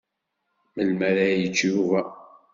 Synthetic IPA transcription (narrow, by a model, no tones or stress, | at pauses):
məlmæɾajət͡ʃːuvæ